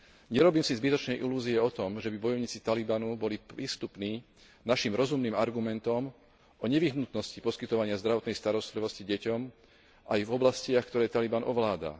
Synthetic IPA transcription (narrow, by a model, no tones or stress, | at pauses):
ɲɛɾɔbiːmsizbit̪ɔt͡ʃnɛjʔiluːziɛɔt̪ɔmʒɛbibɔjɔʊɲiːt͡sit̪alibanubɔlipɾiːst̪upniː | naʃimɾɔzumniːmaɾɡumɛnt̪ɔm | ɔɲɛʋiɦnut̪nɔscipɔskit̪ɔʋaɲɪazd̪ɾaʋɔt̪nɛjst̪aɾɔst̪liʋɔsciɟɛcɔm | ʔajvɔblascɪaxkt̪ɔɾɛːt̪alibanʔɔʋlaːd̪a̰